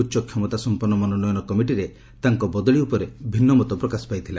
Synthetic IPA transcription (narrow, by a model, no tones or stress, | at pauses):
utːʃɔkʰjɔmɔt̪asɔmpɔɾnɔmɔnɔnɔjɔnɔkɔmiʈiɾe | t̪aŋkɔbɔd̪ɔɭiupɔɾebʱinːɔmɔt̪ɔpɾɔkasɔ̥pajt̪ʰila